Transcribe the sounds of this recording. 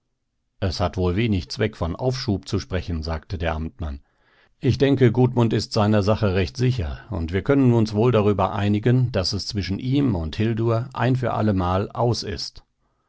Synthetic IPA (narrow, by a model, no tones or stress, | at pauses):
ʔɛshatvoːlveːnɪçt͡sv̥ɛkfɔnʔa̰ʊfʃuːp̚t͡suʃpʁ̥ɛçn̩zaːktədeːɐʔamtman | ʔɪçd̥ɛŋkəɡuːtmʊntɪstz̥aɪnɐzaχəʁɛçtz̥ɪçɐ̰ʊ̰ntv̥iːɐkʰœnənʊnsv̥oːldaʁyːbɐʔaɪnɪɡənd̥asɛst͡sv̥ɪʃn̩ʔiːmʊnthɪlduɐʔa̰ɪnfyːɐʔa̰ləmaːlʔaʊsɪ̰st